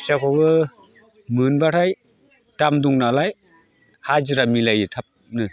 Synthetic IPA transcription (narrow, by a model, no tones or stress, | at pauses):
sakʰɔɡɯ | mɯnbaɾʰaj | tamduŋnalaj | had͡ʒiɾamilajɯtʰap̚ | nɯ